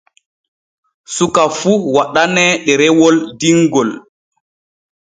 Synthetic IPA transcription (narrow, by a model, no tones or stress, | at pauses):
sukafuwaɗanɛɗɛɾɛwɔldiŋɡɔl